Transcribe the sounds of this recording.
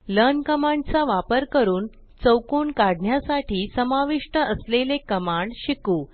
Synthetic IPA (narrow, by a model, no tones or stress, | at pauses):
lənkəmaɳɖt͡saʋapəɾkəɾuːn | t͡səwkuːɳkaɽ̤ɳjasaʈʰiːsəmaʋiʂʈəəslelekəmaɳɖɕikuː